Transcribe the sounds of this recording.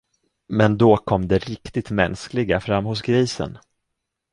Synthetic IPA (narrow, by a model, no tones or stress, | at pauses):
mɛnd̪okʰɔmːd̪ɛɾɪkt̪ɪt̪mɛnsklɪɡafɾamːhʊs̬ɡɾiːsə̰n